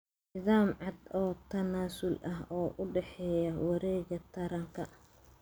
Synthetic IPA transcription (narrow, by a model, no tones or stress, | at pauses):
nɪðaːmʕɑd̪ɔːt̪ʰɐnaːsʊlʔɐɦɔːʔʊɖɛħɛːjɐwɑɾɛːɣɐt̪ʰɐɾɐŋkʰɐ